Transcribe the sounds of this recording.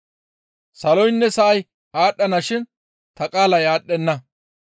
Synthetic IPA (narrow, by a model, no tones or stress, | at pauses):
sɐlɔjnːɛsɐʔɐj | aːɗːɐnɐʃɪn | t̪ɐkʼaːlɐjaːɗːɛnːɐ